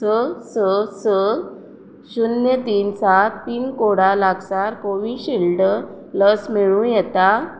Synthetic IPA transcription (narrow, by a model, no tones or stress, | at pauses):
əsəsə | ɕunjət̪iːnsat̪tiːnkoɽalaɡsaɾkoʋiːɕilɖ | ləsmiɭũjɛt̪a